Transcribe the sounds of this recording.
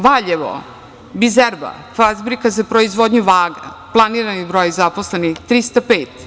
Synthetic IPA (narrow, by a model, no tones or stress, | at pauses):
ʋaʎeʋo̰ | bizɛɾba̰ | fazbɾikazapɾoizʋod̪ɲuʋaːɡa̰plˠaniːɾanibɾojizaposlenixt̪ɾist̪apeːt̪